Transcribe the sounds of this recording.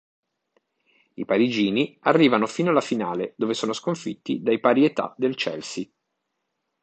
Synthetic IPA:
ipaɾid͡ʒiːniarːiːvanofiːnoalːafinaːled̪oːvesoːnoskoɱfit̪ːid̪ajpaːɾiet̪a̰d̪elt͡ʃɛ̰lsi

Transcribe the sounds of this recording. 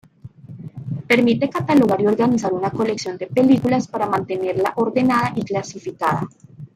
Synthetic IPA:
pe̞ɾmit̪ekat̪alo̞ɣaɾio̞ɾɡanis̬aɾunako̞le̞ksjo̞nd̪e̞pe̞likulaspaɾamãnt̪e̞ne̞ɾla̰ʔo̞ɾðe̞naðaʔiklasifikaða̰

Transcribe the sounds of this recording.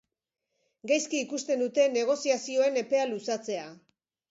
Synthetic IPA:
ɡajskiːkust̪e̞nd̪ut̪e̞ne̞ɣ̞o̞siasio̞e̞ne̞pe̞alusat͡se̞a

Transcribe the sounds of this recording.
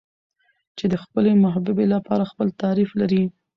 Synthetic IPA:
t͡ʃed̪əxpəlemʊɦabɪbelapɑɾaxpəlt̪aɾiflaɾi

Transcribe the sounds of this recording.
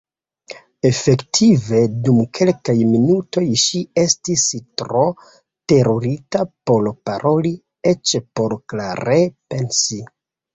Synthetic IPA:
e̞fe̞ktʰive̞dumkʰe̞lkajminuto̞jʃie̞stistɾo̞ | te̞ɾoɾitapo̞lpaɾʔo̞li | e̞t͡ʃpo̞ɾklaɾepe̞nsi

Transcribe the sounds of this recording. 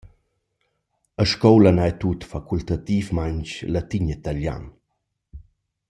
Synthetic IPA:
əʃkɔwlənaɛt̪ut̪fakult̪at̪ifmaɲt͡ʃlat̪iɲit̪alja̰n

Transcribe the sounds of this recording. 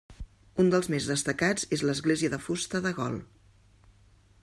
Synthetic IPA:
und̪əlˠzmezðəst̪əkad͡zezləzɣleziəðəfust̪əðəɣɔ̰lˠ

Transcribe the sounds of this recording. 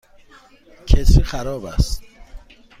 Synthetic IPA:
cʰesiːxæɾɒːbæ̰st̪

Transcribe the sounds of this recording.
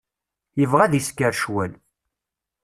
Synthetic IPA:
jəvʁæðiskːəɾʃwæl

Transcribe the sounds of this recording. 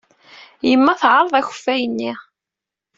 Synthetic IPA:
jəmːæθʕɑɾˤðˤæçə̥fːæjənːiʁ

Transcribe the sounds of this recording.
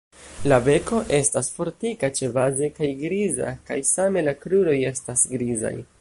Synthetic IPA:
lave̞ko̞ʔe̞stasfo̞ɾtikat͡ʃe̞vaze̞kajɡɾiza̰ka̰jsame̞lakɾuɾo̞je̞stasɡɾiza̰j

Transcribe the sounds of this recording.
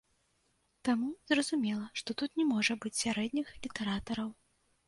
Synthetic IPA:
t̪amuzrɐzumʲɛlˠɐʂt̪ɔt̪ut̪nʲɛmɔʐɐbɨt͡sʲsʲaɾɛd̪ʲnʲixlʲit̪ɛɾat̪ɐɾɐw

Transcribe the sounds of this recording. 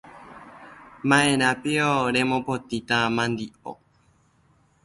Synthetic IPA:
mãẽɾ̃ãpioɾẽ̞mõpot̪it̪amãnd̪io̰

